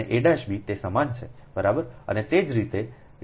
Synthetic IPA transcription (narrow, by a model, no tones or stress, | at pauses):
ḛʔeɖaʃbʱit̪esəmant͡ʃʰebəɾabəɾə̰net̪ed͡ʒɾit̪e